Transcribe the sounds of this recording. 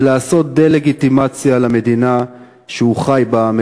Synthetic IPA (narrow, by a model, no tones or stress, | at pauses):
laːso̞t̪̚d̪ejle̞ɡit̪imat͡sjalame̞d̪ina | ʃeuχajbame